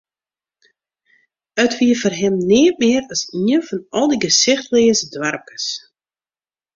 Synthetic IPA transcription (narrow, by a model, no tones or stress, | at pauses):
ətʋiəfərɦɪmnɪːəmɪərɔsiənfɔnɔlˠdiɡəsɪxtleːəzədwarmkə̥s